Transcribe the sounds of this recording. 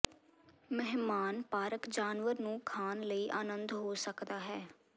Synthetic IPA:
mɛɦmaːnpaːɾəkd͡ʒaːnʋəɾnũːkʰaːnləiːʔaːnə̃nd̪ɦoːsəkd̪aːɦɛː

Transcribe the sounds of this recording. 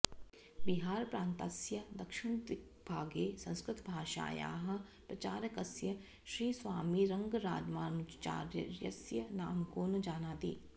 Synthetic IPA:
biɦaːɾpɾãːnt̪asjɐd̪ɐkʃɪɳ̃t̪ɪ | bʱaːɡeːsɐ̃nskɾɪt̪bʱaːʃa̰ːja̰ːɦɐ̆pɾɐt͡ʃaːɾɐkɐsjə | ʃɾiːsʋaːmiɾɐŋɡɾa̰ːd͡ʒmaːnut͡ʃt͡ʃa̰ːɾjəɾjɐsjənaːmkoːnɐd͡ʒaːnaːt̪ḭː

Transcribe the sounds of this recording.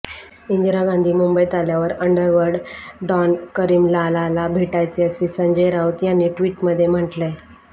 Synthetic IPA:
ind̪iɾaɡãnd̪ʱiːmumbəjt̪aljaʋəɾəɳɖəɾʋəɾɽɖɔnkəɾiːmlalalabʱeʈajt͡seəsisəɲd͡ʑəjɾawt̪janːiːʈʋiːʈməd̪ʱːjem̤əʈle

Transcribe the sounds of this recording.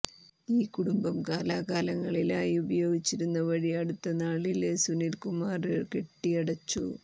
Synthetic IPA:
iːkuɽumbɐmkaːlaːkaːlɐŋːɐɭilaːjubɐjo̞ːɡit͡ɕːiɾunːɐʋɐɻiɐɽut̪ːɐnaːɭilesunilkumaːrɨkeʈːijɐɽɐt͡ɕːṵ

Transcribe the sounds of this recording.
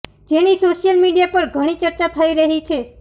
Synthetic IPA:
d͡ʒenisoʃijəlmiɖijapəɾɡʱəɽ̃it͡ʃəɾt͡ʃat̪ʰəiɾəɦit͡ʃʰe

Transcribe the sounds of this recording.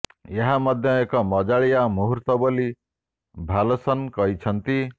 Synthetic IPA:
jeɦamʌd̪ʱjʌekɔmɔd͡ʒaɭijamuɦuɾt̪ɔboli | bʱalɔsʌnkʌɦit͡ʃʰʌnt̪i

